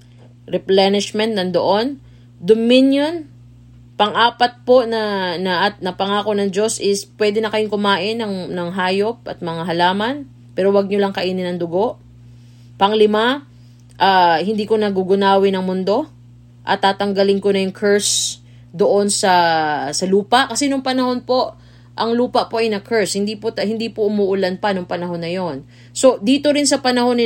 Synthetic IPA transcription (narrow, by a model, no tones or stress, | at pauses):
ɾɪplanɪʃmɛnt̪̚nɐnd̪oʔo̞n | d̪omɪnjon | pɐŋʔaːpɐt̪̚po̞nɐnɐʔ̪nɐpɐŋaːko̞nɐŋd͡ʒo̞sʔɪspwɛd̪ɛnɐkɐjʊŋkʊmaːʔɪnːɐŋnɐŋɦaːjo̞p̚ʔɐ̰t̪̚mɐŋaɦɐlaːmɐn | pɛːɾo̞wɐɡ̚ɲolɐŋkɐʔiːnɪnɐŋd̪ʊɡo̞ʔ | pɐŋlɪma | ʔaːhɪnd̪iːko̞nɐɡuɡʊnaːwɪnɐŋmʊnd̪o̞ | ʔɐ̰t̪ːaːt̪ɐŋɡɐlɪŋko̞nɐjʊŋkʰɛɹs | d̪oʔo̞nsɐsɐluːpɐʔkɐsɛnʊŋpɐnɐho̞npo̞ʔ | ʔɐŋluːpɐʔpo̞ʔɐjnɐkʰɛɹshɪnd̪ipot̪ɐhɪnd̪iːpoʔʊmuːʔʊlanpɐnʊŋpɐnɐɦo̞nːɐjo̞n | so̞d̪iːt̪o̞ɾɪnsɐpɐnɐho̞nɪ